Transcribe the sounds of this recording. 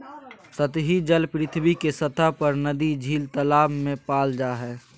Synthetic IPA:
sət̪ɦid͡ʒəlpɾɪt̪ʰbikesət̪ʰapəɾnəd̪id͡ʒʱiːlt̪əlaːmːẽpaːld͡ʒaɦɛː

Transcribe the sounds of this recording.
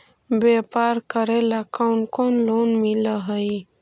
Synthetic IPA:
bepaɾkəɾelakawnkonlonmiləɦəj

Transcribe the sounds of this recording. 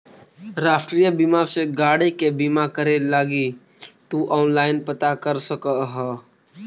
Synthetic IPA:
ɾaːʃʈɾijəbimaseɡaːɽekebimakəɾelaːɡi | t̪uʔɔːnlaːɪnpət̪akəɾsəkəɦɛ

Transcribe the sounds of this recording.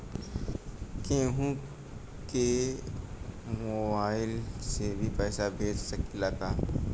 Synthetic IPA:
kẽːɦũ | ke | mobaːɪlsebʱipɛːsabʱeːd͡ʒsɐkilaːkaː

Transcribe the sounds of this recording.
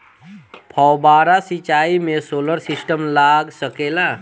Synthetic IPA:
pʰɔwbaːɾasit͡ʃaːimẽsoːləɾsɪsʈəmlaːɡsəkeːla

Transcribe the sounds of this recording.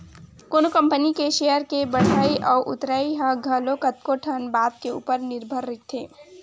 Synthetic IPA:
koːnokə̃mpənikeʃejəɾkebəɽ̤aːiʔɔːʔʊ̰t̪ɾaiɦaɡʱəlokət̪̚koʈʰənbaːd̪̚keṵːpəɾnɪɾbʱəɾːɪkt̪ʰeː

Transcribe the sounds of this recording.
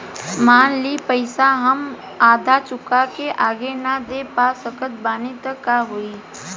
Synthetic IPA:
maːnliːpəɪsaɦəm | aːd̪ʱat͡ʃʊkakeʔaːɡenad̪epaːsəkət̪̚baːnit̪əkːaɦoːiː

